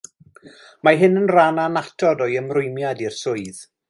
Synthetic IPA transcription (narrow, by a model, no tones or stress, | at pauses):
maɦɪnənrananatʰɔdɔjəmrʊɨmjadirsʊɨð